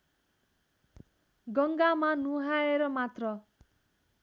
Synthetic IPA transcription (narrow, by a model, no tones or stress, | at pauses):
ɡʌŋɡamanuɦaeɾʌmat̪rʌ